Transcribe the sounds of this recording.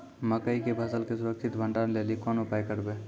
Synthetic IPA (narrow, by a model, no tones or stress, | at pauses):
məkəikebʱəsəlkesʊɾəkt͡ʃʰit̪bʱəɳɖanlelikɔnʊpajkəɾbe